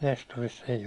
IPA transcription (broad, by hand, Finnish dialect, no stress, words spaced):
nestorisː eij